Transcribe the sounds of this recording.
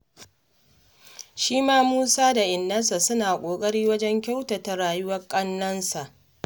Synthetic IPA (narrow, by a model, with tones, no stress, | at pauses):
ʃiː˦maː˦muː˦saː˦da˨ʔɪ˨nːɐ˦nsa˨sʊ˦naː˨kʷʼoː˨kʼɐ˦ɽiː˦wɐ˦d͡ʒɛ˦ŋkʲa˦wta˨ta˨ɽaː˨jʊ˦wɐ˦rkʼɐ˦nːɐ˦nsa˨ʔ